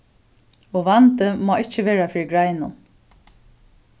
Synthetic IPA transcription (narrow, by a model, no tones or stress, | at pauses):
ɔʋant̪əmɔːɪt͡ʃːəʋeːɹafɪːɹɪɡɹajnʊn